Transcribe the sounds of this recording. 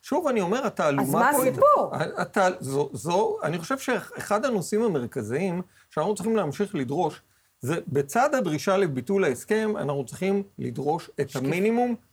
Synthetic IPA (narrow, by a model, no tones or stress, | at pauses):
ʃuvanio̞me̞ʁataːlumamaoiaatazozoa̰niχo̞ʃe̞vʃeeχadano̞simame̞ʁkaziim | ʃeanaχnutt͡siχimleamʃiχlidʁo̞ʃ | ze̞be̞t͡sadabʁiʃalebitulaeske̞ma̰naχnut͡siχimlḭdʁo̞ʃe̞thaminimum